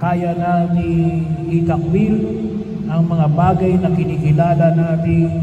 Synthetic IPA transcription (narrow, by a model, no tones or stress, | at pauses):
kaːjananiɡit̪ak̚bil | ʔɐŋmɐŋabaːɡajnɐkɪnikɪlaːlanaːt̪ɪŋ